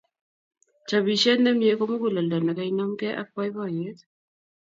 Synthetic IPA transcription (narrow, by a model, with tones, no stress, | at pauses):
t͡ʃa˨bi˨ʃɛ˦nɛ˦mje˦ko˦mo˦ko˨lɔ˨lɔ˨na˨ka˨˦i˦nɔ˦mkɛ˦ʔa̰˦kwa˦jβɔ˦˨je˨˦t̪